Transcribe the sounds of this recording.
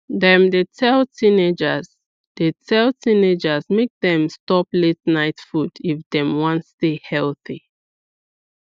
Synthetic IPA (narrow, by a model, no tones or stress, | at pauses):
ðɛ̃mdetʰɛltʰĩned͡ʒəz | detʰɛlˠtʰĩned͡ʒəzmek̚ðɛ̃mstɔpletnaɪtfudifdɛ̃mwɔ̃ntstehɛlˠθi